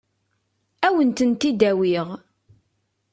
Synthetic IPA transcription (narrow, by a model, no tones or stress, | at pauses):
æwənt̪ənt̪id̪æwiʁ